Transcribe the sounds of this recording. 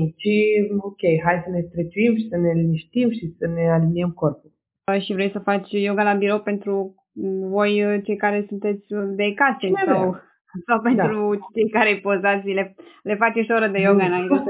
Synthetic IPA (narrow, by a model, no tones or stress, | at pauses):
t͡ʃiokʲejɦajsəne̞st̪ɾet͡ʃuimʃi̥səneniʃt̪imʃisəne̞aliniemko̞rpulʲ | əʃivɾejsəfat͡ʃʲjoɡalabiɾo̞wpe̞nt̪ɾu | vo̞jt͡ʃe̞jkaɾe̞sunt̪e̞t̪sʲd̪ekasesaw | sawpe̞nt̪ɾut͡ʃejkaɾejpozat̪sʲlele̞fat͡ʃoʃoɾəd̪ejoɡanaik